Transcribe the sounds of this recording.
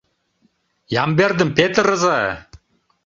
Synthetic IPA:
jɑmberd̪ə̆mpet̪ə̆ɾɤ̆zɑ̰

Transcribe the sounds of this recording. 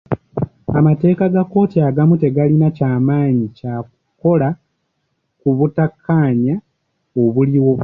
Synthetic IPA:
amate̞ːkaɡakːo̞ːtiaɡamute̞ɡalinacaːmaːɲicak | ko̞la | kuβutakʰːaːɲa | oβuliwo̞

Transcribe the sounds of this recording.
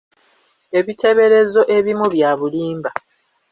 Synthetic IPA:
e̞βitʰe̞βe̞ɾe̞zo̞ʔe̞βimuβjaːβuliːmba

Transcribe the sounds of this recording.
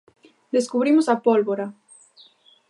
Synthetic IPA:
d̪eskuβɾimʊsɐpolβoɾa

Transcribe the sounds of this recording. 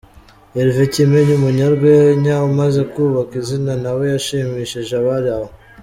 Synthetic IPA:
eɾvecimeɲumuɲaɾɡweɲawumaze̞kuːβakizinanawe̞jaʃimiʃiʒaβaɾaβo

